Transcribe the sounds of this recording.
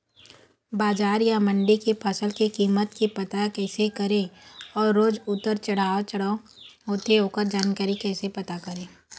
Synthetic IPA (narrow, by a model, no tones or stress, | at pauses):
baːd͡ʒaːɾjamə̃ɳɖikepʰəsəlkekiːmət̪kipɐt̪akɛːsekəɾeɔːɾːoːd͡ʒʊt̪ːəɾt͡ʃɐɽ̤aːot͡ʃəɽa | ɦoːt̪eɦoːkəɾd͡ʒaːnkaːɾikɛːsepɐt̪akəɾeː